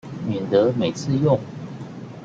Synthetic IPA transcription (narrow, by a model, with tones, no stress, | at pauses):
mjɛ˨˩nd̪ə˨˦me˨˩ɪt͡sʰɹ̩˥˧jʊ˥˨ŋ